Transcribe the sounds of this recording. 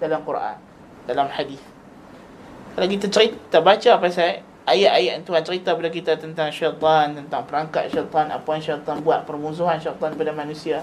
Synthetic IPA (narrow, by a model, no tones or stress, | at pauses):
dalamkuɾʔa̰n | dalamħadiθ | kalawkit̪at͡ʃəɾit̪abat͡ʃaːpasaʔ | ʔajaʔajaʔnt̪uhant͡ʃəɾit̪apadak̬it̪at̪ənt̪aŋʃajt̪ˤɔnt̪ənt̪aŋpəɾaŋka̰t̪̚ʃajt̪ˤana̰panʃajt̪ɔnbuat̪̚pərmuns̬uɦanʃat̪ˤɔnbadanmãnũsia